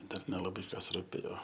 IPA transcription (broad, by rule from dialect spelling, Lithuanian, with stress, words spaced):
ˈdɐr nʲɛlˠɐˈbɐɪ ˈkɐs rʊˈpʲeːjoː